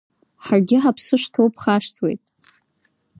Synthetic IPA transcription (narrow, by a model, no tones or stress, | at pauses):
ħarɡʲɪħapʰsɨʂtʰowpʰχaʂtʰwḛjtʼ